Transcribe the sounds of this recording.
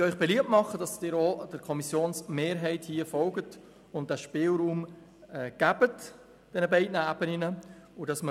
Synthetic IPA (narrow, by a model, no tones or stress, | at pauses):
œʏχb̥ɛliːəp̚tmɑχəd̥ɑsd̥ɪːɾod̥əɾkʰɔmisjoːnsmeːɾɦɛɪthiːəfɔlɡət | ʊnt̚d̥æʃpɪːlɾuːm | ɛɡ̥æb̥ət | d̥ɛnəbɛɪdnəæb̥ənɪnəʊdɑsmə